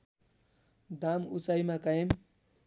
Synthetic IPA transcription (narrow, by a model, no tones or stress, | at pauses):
d̪amut͡sajmakaem